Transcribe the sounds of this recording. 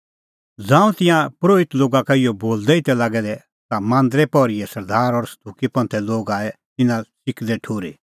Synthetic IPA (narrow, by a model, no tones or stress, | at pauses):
d͡zãːũt̪ɪ̃jãpɾoːɪt̪loːɡakaɪjɔboːld̪ɛɪt̪ɛlaːɡɛd̪ɛ | t̪amãːnd̪ɾɛpɔɾɪɛsɐɾd̪aːɾɔɾst̪ʰukipɐ̃nt̪ʰɛloːɡaːɛ | t̪ɪnãsɪkʰd̪ɛʈʰoːɾe